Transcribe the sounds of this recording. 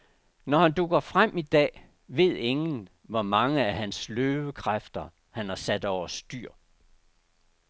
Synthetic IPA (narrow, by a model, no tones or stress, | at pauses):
nɒhænd̥uɡ̥ɐfʁam̰id̥ɛ̰ː | ʋe̝ð̰ˠe̝ŋn̩ | ʋɒmɑ̈ŋəæhænsløːʋəkʰʁafd̥ɐ | hænhɑ̈sæd̥ɒʊ̰ɐsd̥yɐ̰